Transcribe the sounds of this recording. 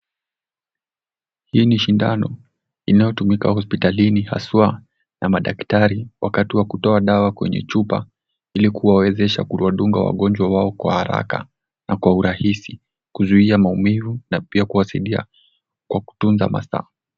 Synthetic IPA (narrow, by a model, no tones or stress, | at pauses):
hiːniʃindanɔ | inajɔtumikahɔspitaliniha̰swa | nʔamaɗaktaɾiwʔakatiwakutɔaɗawakwɛ̰ɲɛ̰t͡ʃupa | ilikuwawɛzɛʃa̰kuwaɗuŋɡa̰wa̰ɠɔnd͡ʒwawaɔkwa̰haɾa̰ka̰ | nakwauɾahisi | kuzuiamaumivunapiakuwasaiɗia̰ | kwaku̥tunza̰mʔa̰sa̰